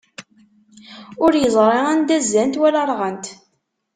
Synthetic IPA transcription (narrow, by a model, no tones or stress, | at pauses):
ʊɾjəzˤɾˤeʁænd̪æzːænt̪wælɑɾˤʁənt̪